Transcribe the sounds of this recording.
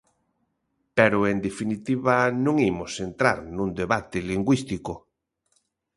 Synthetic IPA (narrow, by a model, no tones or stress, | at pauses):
pɛɾʊend̪efinit̪iβanũŋimosent̪ɾa̰ɾnũnd̪eβat̪ɪliŋɡwist̪ikʊ